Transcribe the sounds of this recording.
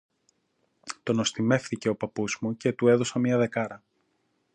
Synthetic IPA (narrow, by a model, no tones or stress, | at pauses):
t̪o̞no̞st̪ime̞fθice̞o̞pɐpuzmuce̞t̪ue̞ðo̞sɐmiɐðe̞kɐɾɐ